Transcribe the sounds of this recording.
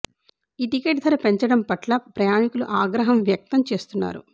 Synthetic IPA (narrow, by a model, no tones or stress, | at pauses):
iːʈikeːʈd̪ʰʱɐɾɐpe̞ɲt͡ʃɐɽɐmpɐʈlɐpɾɐjaːnikuluʔaːɡɾɐɦɐmʋjɐk̚t̪ɐmt͡ʃe̞ːst̪unːa̰ːɾṵ